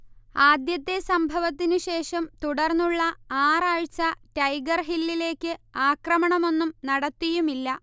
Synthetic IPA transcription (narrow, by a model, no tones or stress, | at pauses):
aːd̪jɐt̪ːe̞sɐmbʱɐʋɐt̪ːinɨɕe̞ːʂɐmt̪uɽɐrnːuɭːɐaːraːɻt͡ɕɐʈɐjɡɐrɦilːile̞ːkʲːɨaːkrɐmɐɳɐmo̞nːumnɐɽɐt̪ːijumilːɐ